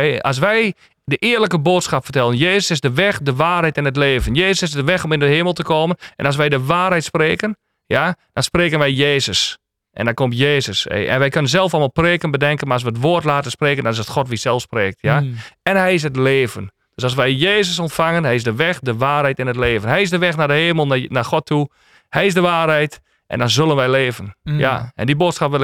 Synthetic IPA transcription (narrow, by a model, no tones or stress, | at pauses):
a̰s̬ʋɛj | dəʔɪərləkəboːtsxapfərtɛlˠənjeːsəsɪsdəʋɛxdəʋaːrɦɛjtɪnətleːvənjeːsəsɪsdəʋɛxɔmɪndəheːməlˠtəkʰoːmənʔɛ̰nas̬ʋɛjdəʋaːrɦɛjtspreːkən | jad̥ɔnspreːkənʋɛjjeːzəs | ʔɛ̰ndakomtjeːzəsḛʔɛ̰nʋɛjkønəns̬zɛlˠfɔlˠmaːlˠpreːkənbədɛŋkənmaɔs̬ʋəətʋoərtlaːtənspreːkəndɔnɪsətxɔtʋisɛlˠfspreːk̚tʰjaɛnɦɛjɪs̬ət̬leːvən | d̥øsɔs̬ʋɛjjeːzəsɔntfaŋənɦɛjɪsdəʋɛxdəʋaːrhɛjtɪnətleːvənɦɛjɪsdəʋɛxnadəheːməlˠnaxɔtʰːu | hɛjɪzsdəʋaːrɦɛjt | ʔɛ̰ndɔnzølənʋɛjleːvənja̰ʔɛ̰ndiboːtsxapʋɪl